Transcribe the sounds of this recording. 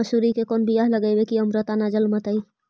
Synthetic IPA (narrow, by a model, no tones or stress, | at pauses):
əsuɾikekonbijaɦləɡəɪbekiəmɾət̪anad͡ʒəlmət̪əi